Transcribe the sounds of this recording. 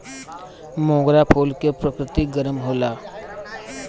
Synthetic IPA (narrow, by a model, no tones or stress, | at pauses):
mõːɡɾapʰoːlkepɾəkɾɪt̪iɡəɾəmɦoːlaː